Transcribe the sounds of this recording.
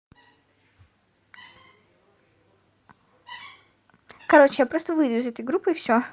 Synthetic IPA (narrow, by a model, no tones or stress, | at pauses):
kɐɾo̞t͡ɕɪjapɾost̪əvɨjd̪ʊɪzɛt̪əjɡɾupːɨɪfsʲo